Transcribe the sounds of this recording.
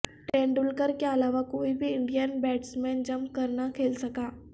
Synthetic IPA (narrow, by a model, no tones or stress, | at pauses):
ʈeɳɖulkəɾkaəlaʋakoibʱiːɳɖijənbɛʈsmɛ̃nd͡ʑəmkəɾɳakʰelsəka